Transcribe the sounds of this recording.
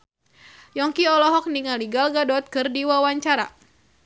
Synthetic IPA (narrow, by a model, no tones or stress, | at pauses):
jɔŋkiɔlɔɦɔk̚niŋaliɡalɡadɔt̪̚kɨrdiwawaɲt͡ʃaɾa̰